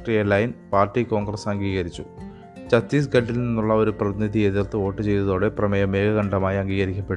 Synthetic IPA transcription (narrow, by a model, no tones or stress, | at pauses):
ʈriɐlɐjnpaːrʈːiko̞ːŋɡrɐsɐŋɡiːɣɐɾit͡ɕːu | t͡ɕɐt̪ːiːs̬ɡɐɖːilninːuɭːɐo̞ɾuprɐðinid̪ʱie̞ðirt̪ːɨo̞ːʈːɨt͡ɕe̞jt̪ɐðo̞ːɽe̞prɐmɐjɐme̞ːɡɐɣɐɳɖɐmaːjɐŋɡiːɣɐɾikʲːɐpːeɽ